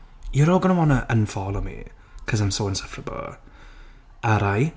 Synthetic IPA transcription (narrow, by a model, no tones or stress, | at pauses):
jəɾoːlˠɡənəwɔnəʔənfɔlˠomḭ | kʰɔzãjmsoɪ̃nsəfrəbə̰lˠ | aɾaj